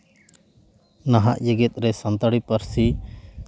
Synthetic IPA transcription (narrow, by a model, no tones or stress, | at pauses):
naɦa̰ʔjɛɡɛt̪̚ʼɾɛsant̪əɽipəɾsi